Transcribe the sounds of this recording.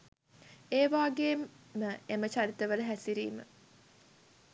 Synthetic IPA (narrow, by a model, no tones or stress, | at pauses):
eːʋaːɡeːməemət͡ʃaɾit̪əʋələɦæsiɾḭːmə̰